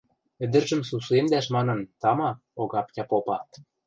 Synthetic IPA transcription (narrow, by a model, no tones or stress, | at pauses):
ɘ̆d̪ə̆rʒə̆msusuemd̪æʃmɑnɤ̆nt̪ɑmɑ | oɣɑpkʲɑpopɑ